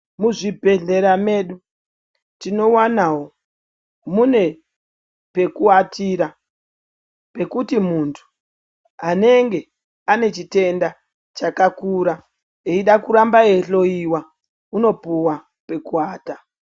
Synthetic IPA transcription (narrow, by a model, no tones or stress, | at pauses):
muʐibʱe̞ɮe̞ɾame̞ːɗu | tino̞wanawo | mune̞ | pe̞kuatiɾa | pe̞kutimuntʰu̥ | ɦane̞ŋɡe̞ | ane̞t͡ʃite̞nda | t͡ʃakakuɾa | eiɗakuɾambae̞ɬo̞iwa | uno̞puwa | pe̞kuaːta